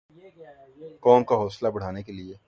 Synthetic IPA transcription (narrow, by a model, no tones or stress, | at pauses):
kɔːmkaɦɔːslabɐɽ̤aːnekelieː